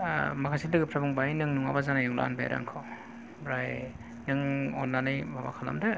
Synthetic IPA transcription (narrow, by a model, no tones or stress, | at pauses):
makʰasidɯɡɯpʰɾabuŋbajnɯŋnuŋa̰bazanajɔŋla̰nbaja̰ɾa̰ŋkʰɔ | bɾaj | nɯŋɔnːanɯjbaba̰kʰala̰mda